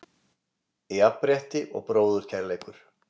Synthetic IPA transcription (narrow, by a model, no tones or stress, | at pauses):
iapːɾjɛht̪ɪʔɔ̰ɣpɾoːwðʏɾ̥cʰɛɾleːjkʏɾ̥